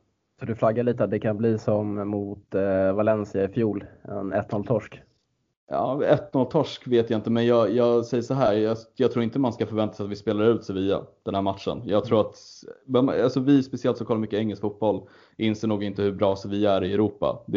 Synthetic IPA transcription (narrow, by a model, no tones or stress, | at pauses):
sɔd̪ɵflaɡːaɭiːt̪əat̪̚d̪ɛkʰanbliːsɔmːʊt̪valɛnsɪaɪfjuːlɛ̰nɛt̪nɔlt̪ʰɔʂk | ɑ̰ːɛt̪ːnɔlt̪ʰɔʂkveːt̪jaɪnt̪əmɛnjɑːjɑːɡsɛjːəʂɔɦæːɾjɑjɑɡt̪ʰɾuːɾɪnt̪əmanskafœɾvɛnt̪asɛjat̪vɪspeːlaɾʉ̟ːt̪sɛviːa̰d̪̥ɛnhæːɾmat̪ʂə̰njɑːɡt̪ʰɾuːɾat̪masɔvɪspɛsɪɛlt̪sɔkʰalːɾmʏkːəɛŋːɛlskfut̪̚bɔlː | ɪnseːɳuːɡɪnt̪əhɵbɾɑːsɛvɪæɾɪɛɾuːpa̰d̪